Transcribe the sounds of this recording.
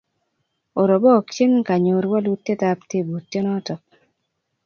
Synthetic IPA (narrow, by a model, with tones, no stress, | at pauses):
o˨ɾo˨bɔ˦˨kt͡ʃe˦n˦ka˨ɲo˨ɾwa˦lu˦te˦ta˦pte˦˨bu˨tːje˦nɔ˦tɔ˨k̚